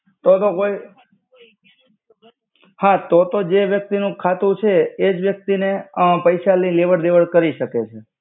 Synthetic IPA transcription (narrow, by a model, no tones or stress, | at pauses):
t̪ot̪okoj | hãt̪ot̪od͡ʒeʋjək̚t̪inũkʰat̪ũt͡ʃʰeːd͡ʒʋjək̚t̪inepəjʃalileʋəɾd̪eʋəɭkəɾiʃəket͡ʃʰe